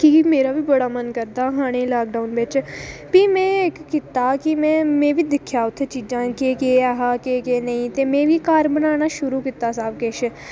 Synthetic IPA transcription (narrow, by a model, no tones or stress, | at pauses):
kimeːɾabʱibɐɽaːmənkəɾd̪aːɦaːɽ̃ẽlaːk̚ɖaːʊnbeːt͡ʃpimɛ̃ːeːkkɪt̪akimɛ̃ːmẽːbʱid̪ɪkʰːjaːʊt̪ʰːet͡ʃiːd͡ʒãːkekeaɦakekeːnɐĩt̪emẽːbikaːɾbənaːñaʃʊɾukɪt̪aːsaːbkeːʃe